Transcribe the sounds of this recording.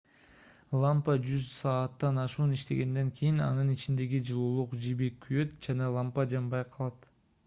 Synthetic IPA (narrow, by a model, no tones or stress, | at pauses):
lˠampɑd͡ʒyzsɑːt̪ːɑnɑʃuːniʃt̪e̞̰ɡe̞nd̪e̞ŋkʰijinɑ̰nɯnit͡ʃind̪e̞ɡid͡ʒɯlˠuːlˠuqd͡ʒibekʰːyjø̞t̪d͡ʒɑnɑlˠɑmpɑd͡ʒɑmbɑjqʰɑlˠɑt̪